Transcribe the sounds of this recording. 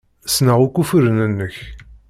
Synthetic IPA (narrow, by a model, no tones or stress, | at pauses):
snəʁukːufəɾnənːəç